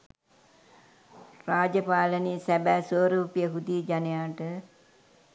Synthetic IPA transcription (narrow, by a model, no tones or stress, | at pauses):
raːd͡ʒəpaːlənisæbæːsəːɾuːpijəɦud̪iːd͡ʒanejaːʈə